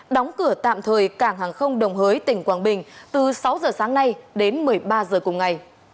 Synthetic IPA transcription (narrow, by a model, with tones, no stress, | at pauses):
ɗɔ˨˦wŋ͡mkɨ˧˩ət̪a̰ː˧˨mt̪ʰəː˨˩jkaː˧˩ŋɦaː˨˩ŋxə˧wŋ͡mɗə˨˩wŋ͡mɦəː˨˦jt̪ï˧˩ŋ̟kwaː˨˩nɓï˨˩ŋ̟t̪ɨ˨˩sa˨˦wzəː˨˩saː˨˦ŋna˧jɗe˨˦nmɨ˨˩əjɓaː˧zəː˨˩kʊ˨˩ŋ͡mŋa˨˩j